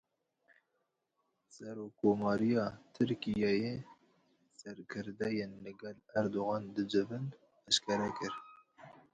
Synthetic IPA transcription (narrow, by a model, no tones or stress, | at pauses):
sɛɾokʰːomɑːɾijɑːt̪ʰɨɾkijɑje | sɛɾkʰɨɾd̪ɛjenlɨɡɛlæɾd̪oɣɑːnd̪ɨd͡ʒɨvɨn | ɛʃkʰɛɾɛkɨɾ